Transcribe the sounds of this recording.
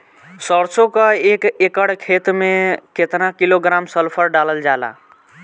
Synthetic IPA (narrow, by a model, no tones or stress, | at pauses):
səɾsokəekekəɽkʰet̪meket̪nakiloɡɾamsəlpʰəɾɖaləld͡ʒala̰